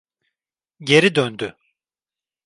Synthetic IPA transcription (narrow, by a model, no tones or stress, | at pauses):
ɟe̞ɾid̪ønd̪y